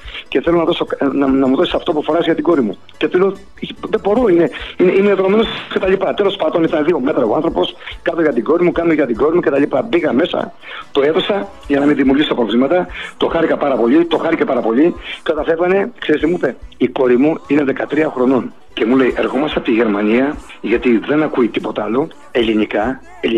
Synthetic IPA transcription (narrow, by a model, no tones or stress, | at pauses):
ce̞θe̞lo̞nɐðo̞soknɐnɐmuðosisɐft̪opufo̞ɾɐzʝɐt̪iɡo̞ɾimu | ce̞θelo | iðebo̞ɾoine̞ineʔineet̪oɾome̞nosce̞t̪ɐʎipɐt̪e̞lo̞spɐnd̪o̞nit̪ɐnðio̞me̞t̪ɾɐoɐnθɾo̞po̞skɐt̪oʝɐt̪iɡo̞ɾimukɐnoʝɐt̪iɡo̞ɾimuce̞t̪ɐʎipɐbiɣɐme̞sɐ̰ | t̪oe̞θo̞sɐ | ʝɐnɐmiðimiuɾʝisot̪ɐpɾovlimɐt̪ɐt̪o̞xɐɾikɐpɐɾɐpo̞ʎit̪o̞xɐɾicepɐɾɐpo̞ʎikɐt̪ɐθe̞vɐne̞kseɾist̪emuipe̞iko̞ɾimuine̞ðe̞kɐt̪ɾiɐxɾo̞no̞n | cemule̞iʔe̞ɾxo̞mɐst̪ɐpt̪iʝeɾmɐniɐ | ʝɐt̪iðe̞nɐkuit̪ipo̞t̪ɐɐlo | e̞linikɐ | e